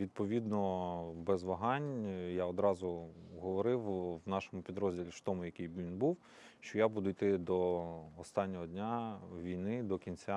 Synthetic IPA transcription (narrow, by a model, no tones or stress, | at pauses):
ʋʲid̪̚pɔʋʲid̪nɔbɛzʋɐɦɑnʲjaɔd̪ɾɑzʊɦɔʋɔɾɪwwnɑʃɔmʊpʲid̪ɾɔzʲdʲilʲiʃt̪ɔmʊjɐkɪjʋʲinbuw | ʃt͡ʃɔjabud̪ʊijt̪ɪd̪ɔːst̪ɑnʲːɔɦɔd̪ʲnʲaʋʲijnɪd̪ɔkʲinʲt͡sʲa